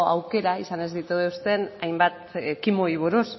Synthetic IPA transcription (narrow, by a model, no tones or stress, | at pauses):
a̰wke̞ɾaisane̞zðit̪uðeuwst̪e̞najmbat̪kimoiβ̞oɾos